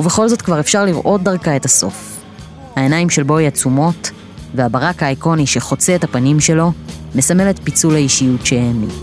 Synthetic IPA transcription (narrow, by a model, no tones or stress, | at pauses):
uveχo̞lzo̞tkvaʁe̞fʃaʁliʁʔo̞t̚daʁkae̞taso̞̰f | hae̞najimʃelbo̞iat͡sumo̞t | ve̞abaʁakhaːjko̞niʃe̞χo̞t͡seːthapanimʃe̞lo̞me̞same̞letpit͡sulhaiʃijutʃeeːmi